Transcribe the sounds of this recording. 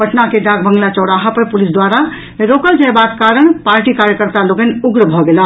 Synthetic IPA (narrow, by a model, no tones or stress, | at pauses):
pəʈnakeɖaɡ̚bəŋɡlat͡ʃɔɽaɦapəɾpulisd̪waɾa | ɾokəld͡ʒəjbat̪kaɾəɳ̃paɾʈikaɾjəkəɾt̪aloɡənuɡɾbʱɔɡela